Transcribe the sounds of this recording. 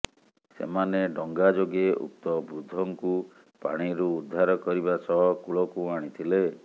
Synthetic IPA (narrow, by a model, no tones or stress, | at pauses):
sḛmaneɖɔŋɡad͡ʒoɡeʔṵk̚t̪ɔbɾud̪ʱɔŋku | pa̰ɽ̃iɾuːd̪ʱːaɾɔkɔɾibasɔɦɔkuɭɔkuaɽ̃it̪ʰile